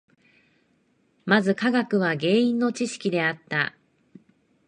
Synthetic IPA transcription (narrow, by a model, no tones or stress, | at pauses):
mazɨkaɡakɯ̟β̞aɡe̞ːĩnːo̞t͡ɕiɕi̥kʲid̪e̞at̪ːa